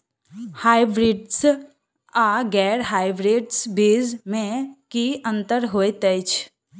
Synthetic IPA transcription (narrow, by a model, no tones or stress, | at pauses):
haːɪbɾiːɖs | aːɡɛːɾɦaːɪbɾeːɖsbiːzmẽkiə̃nt̪əɾɦoːet̪əɪt͡ʃʰ